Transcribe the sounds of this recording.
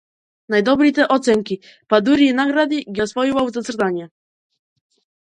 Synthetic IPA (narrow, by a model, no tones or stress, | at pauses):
najd̪ɔbɾit̪ɛʔɔt̪sɛŋkʲi | pad̪uɾiinaɡɾad̪iɡʲɛɔsvɔjivawzat̪sɾt̪aɲɛ